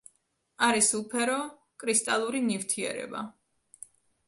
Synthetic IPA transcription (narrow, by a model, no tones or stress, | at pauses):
aɾisulˠpʰɛɾɔ | kʼɾist̪ʼalˠuɾinift̪ʰiɛ̰ɾɛ̰ba̰